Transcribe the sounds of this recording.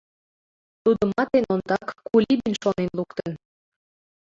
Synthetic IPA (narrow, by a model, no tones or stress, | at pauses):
t̪ud̪əmɑt̪enond̪ɑkːulʲibinʃonenlukt̪ən